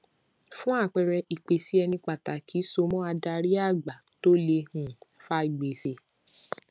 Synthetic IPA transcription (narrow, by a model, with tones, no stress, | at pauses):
fũ˦a˦˨k͡pɛ˧ɾɛ˧ʔi˨k͡pe˨si˦ɛ˧nĩ˧k͡pa˨ta˨kʰi˨˦so˧mɔ̃˦a˧da˧ɾi˦a˦˨ɡ͡ba˨ | to˦le˧hũ˨fa˦i˨ɡ͡be˨se˧˦